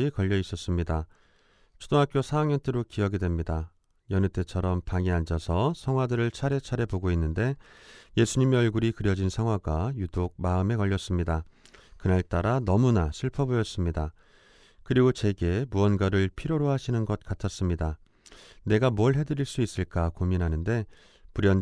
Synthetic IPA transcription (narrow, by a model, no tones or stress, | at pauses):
ikʌʎːʌis͈ʌs͈ɯmɲida | t͡ɕʰudoŋɦak͈josʰaːŋjʌntʰeɾokiʌɡedwe̞mɲida | jʌnɯt͈e̞t͡ɕʰʌɾʌmpaŋeand͡ʑʌsʰʌsʰʌŋɦwadɯɾɯɭt͡ɕʰaɾe̞t͡ɕʰaɾe̞poɡoinːɯnde̞je̞sʰuɲimeʌɭɡuɾikɯɾjʌd͡ʑinsʰaŋɦwaɡwajudoɡ̚maɯme̞kʌʎːʌs͈ɯmɲidakɯnaɭt͈aɾanʌmunaɕʰiɭpʰʌbojʌs͈ɯmɲida | kɯɾiɡot͡ɕe̞ɡe̞muʌnɡaɾɯɭpʰiɾjoɾoɦaɕʰinɯnɡʌt̚k͈atʰʌs͈ɯmɲida | ne̞ɡamuʌɭɦe̞dɯɾiɭs͈uis͈ɯɭk͈akominɦanɯnde̞ | puɾjʌn